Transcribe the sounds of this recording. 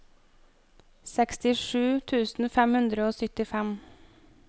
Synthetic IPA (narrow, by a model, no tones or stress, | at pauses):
sɛkst̪ɪʂʉːt̪ʰʉːsn̩fɛmhʉnd̪ɾəoːsʏt̪ɪfɛm